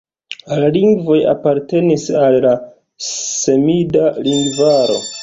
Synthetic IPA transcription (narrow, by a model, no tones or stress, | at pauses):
laliŋɡvo̞ja̰paɾte̞nisalla | se̞midaliŋɡvaɾo̞̰